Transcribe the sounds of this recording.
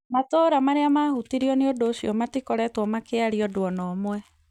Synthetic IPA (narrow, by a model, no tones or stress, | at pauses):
matoːɾamaɾeamahutiɾiɔneodoːɕiɔmatikɔɾɛtwɔmakeaɾiɔdwɔnɔmwɛ